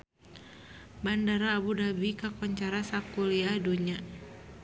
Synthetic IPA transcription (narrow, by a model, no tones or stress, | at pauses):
bandaɾaːbudabikakɔɲt͡ʃaɾasakuliaduɲa